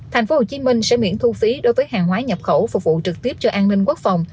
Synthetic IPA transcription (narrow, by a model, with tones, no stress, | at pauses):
t̪ʰa˨˩ŋ̟fo˨˦ho˨˩t͡ɕi˨˦mï˧ŋ̟sɛ̰˧˥mḭ˧˥ənt̪ʰu˧fi˨˦ɗo˨˦jvəː˨˦jɦaː˨˩ŋɦwaː˨˦ɲə˨˩p̚xə˧˩wfʊ˨˩k͡p̚vṵ˧˨t͡ɕɨ˨˩k̚t̪i˦˥əp̚t͡ɕɔ˧ʔaː˧nnï˧ŋku˦˥ək̚fa˨˩wŋ͡m